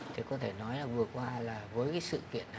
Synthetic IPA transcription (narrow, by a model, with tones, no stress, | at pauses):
t̪ʰi˨˩kɔ˨˦t̪ʰe˧˩nɔ˨˦jlaː˨˩vɨ˨˩ə˩kwaː˧laː˨˩vəː˨˦jkaː˨˦sɨ̰˧˨kḭ˧˨ən˨